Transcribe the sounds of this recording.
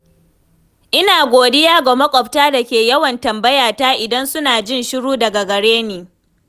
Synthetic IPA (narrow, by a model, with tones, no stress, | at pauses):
ʔɪ˦naː˨ɡʷoː˨dɪ˦jaː˦ɡa˨mɐ˦kʷʼɔ˨ptaː˦dɐ˨kʲeː˨jɐ˦wɐ˨ntɐ˨mbɐ˦jaː˨taː˦ʔɪ˨dɐ˦nsʊ˦naː˨d͡ʒɪ˦nʃɪ˦ɽuː˦dɐ˨ɡa˨ɡɐ˨ɽeː˦neː˨